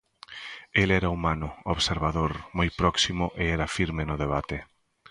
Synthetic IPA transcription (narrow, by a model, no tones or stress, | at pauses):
elɛɾaumanʊoβseɾβ̞aðoɾmojpɾɔksimʊʔeɛɾafiɾmenʊðeβ̞at̪e